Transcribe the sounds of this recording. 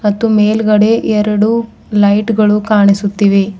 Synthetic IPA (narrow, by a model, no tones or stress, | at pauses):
mɐt̪ːumeːlɡɐɽe̞ʔɛɾɐɽu | lɐjʈɡɐɭukaːɳisut̪ːiʋe